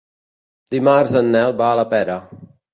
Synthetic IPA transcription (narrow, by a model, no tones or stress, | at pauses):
d̪̥imarzənːɛlˠbaːləpɛɾə